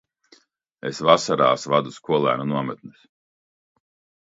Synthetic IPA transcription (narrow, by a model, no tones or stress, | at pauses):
esvasaɾaːsvad̪uskuɔlˠæ̰ːnunuɔmɛt̪̚nɨs